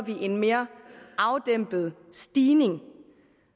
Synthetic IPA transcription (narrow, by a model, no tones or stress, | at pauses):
ʋiʔe̝nme̝ːɐʔɑ̈ʊd̥em̰b̥ð̞̩ˠ | sd̥iːne̝ŋ